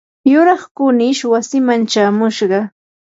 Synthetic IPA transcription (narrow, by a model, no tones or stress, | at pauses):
jʊɾɑχkʊnɪʃwasɪmant͡ʃaːmʊʃɢɑ